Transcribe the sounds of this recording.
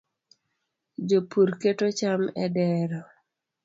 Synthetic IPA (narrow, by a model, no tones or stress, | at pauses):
d͡ʒopuɾketot͡ʃamɛdɛɾɔ